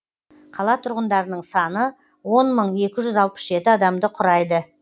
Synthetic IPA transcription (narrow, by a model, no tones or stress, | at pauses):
qʰɑlˠɑt̪ʰʊɾʁənd̪ɑɾənəɴsɑnə | wo̞nməɴe̞kʲɪʒʏzɑlˠpə̥sʒe̞t̪ɪɑd̪ɑmd̪əqʰʊɾɑjd̪ə